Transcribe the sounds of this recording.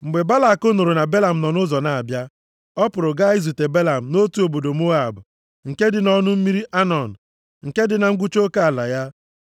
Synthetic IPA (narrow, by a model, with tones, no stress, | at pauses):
ŋ͡m̩˨ɡ͡be˨ba˦la˨ko˦no˨ɾo˨na˨be˦la˨m̩˨nɔ˨nʊ˦zɔ˨na˨a˨bja˦ | ɔ˦pʊ˨ɾʊ˨ɡa˦i˦zu˨te˨be˦la˨m̩˨no˦tu˨˦o˨bo˨do˨mo˦a˨bʊ˨ | ŋ̩˨ke˦dɪ˨nɔ˦nʊ˦m̩˦mi˦ɾi˦ʔa˦nɔ˨n̩˨ | ŋ̩˨ke˦dɪ˨na˨ŋ̩˦ɡʷu˦t͡ʃo˦ka˦a˨la˨ja˦